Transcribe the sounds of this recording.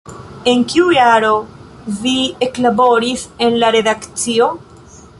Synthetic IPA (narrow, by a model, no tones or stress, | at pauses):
e̞ŋkiujaɾo̞ | vie̞klabo̞ɾise̞nlaɾe̞dakt͡sio̞